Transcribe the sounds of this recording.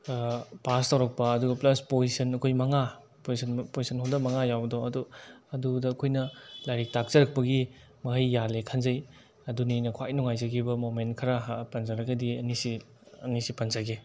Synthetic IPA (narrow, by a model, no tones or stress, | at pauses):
pastawɾɐk̚pɐɐduɡɐplɐspozisɐnɐkʰojmɐŋa | pozisɐnpozisɐnhawdɐmɐŋajawbɐdoɐduɐdudɐːkʰojnɐlajɾik̚tak̚z̥ɐɾɐk̚pɐɡi | mɐɦɐjːalekʰanzɐj | ɐdunijnɐkʰwajnuŋajzɐɡʰibɐmomentkʰɐɾɐɦpɐnzɐɾɐɡɐdiɐnisi | ɐ̰nisipɐnzaɡe